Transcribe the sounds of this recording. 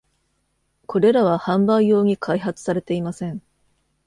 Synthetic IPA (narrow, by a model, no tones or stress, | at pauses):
kʰo̞ɾe̞ɾaβ̞ahãmbaijo̞ːɲ̟ikʰaiɦat͡sɨ̥saɾe̞t̪e̞imasẽ̞ŋ